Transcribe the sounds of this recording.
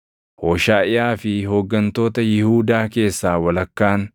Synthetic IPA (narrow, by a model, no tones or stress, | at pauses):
hoːʃaːʔɪʔaːfɪɦoɡːɐnt̪o̞ːt̪ɐjɪhuːd̪aːke̞ːsːaːwɐlɐkːaːn